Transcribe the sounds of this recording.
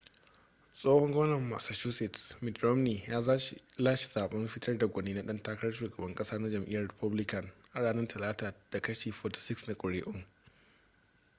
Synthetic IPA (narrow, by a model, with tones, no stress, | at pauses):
sʼoː˦hɔ˦ŋɡʷoː˦nɐ˨mːa̰ː˨sa˨ʃu˦sɪ˨tsmɪ˨dɾɔ˦mniː˨jaː˦zaː˦ʃzaː˦ʃi̥˨z̥aː˨ɓɐ˦mɸɪ˦tʰɐ˦rda˨ɡʷɐ˨neː˦na˦ɗɐ˦ntaː˦kɐ˦ɾɐ˦ʃuː˨ɡɐ˨bɐ˦ŋkʼɐ˦saː˦na˦d͡ʒɐ˨mʔɪ̰˦jɐ˨rɾɪ˨pʊ˦blɪ˦kɐ˨ŋʔa˨ɽaː˦nɐ˦ntʰɐ˨laː˦taː˨d̥a˨kɐ˦ʃeː˨ɸoː˨tḁ˨sɪ˦ksna˨kʷʼʊ˨ɽeː˦ʔʊ˦ŋ